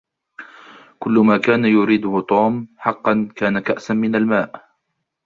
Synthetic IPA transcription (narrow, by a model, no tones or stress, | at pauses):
kʊlːʊmaːkaːnajʊɾiːd̪ʊhʊt̪ˤuːmħɑqːɑnkaːnakaʔsanmɪnalmaːʔ